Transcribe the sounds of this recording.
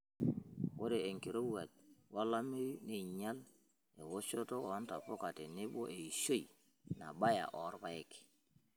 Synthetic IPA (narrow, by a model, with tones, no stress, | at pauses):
wo˦ɾe˨e˨ŋki˨ɾo˦wa˨t̚wa˦la˦mi˦ne˨ɲa˦l | e˨wo˦ʃo˦to˦ɔ˨˦nta˨po˦ka˨te˨nɪ˦bo˦ʔe˨i˨ʃo˦i˨ | na˨ba˦ja̰˨ʔɔ˨˦ɾba˦e˦k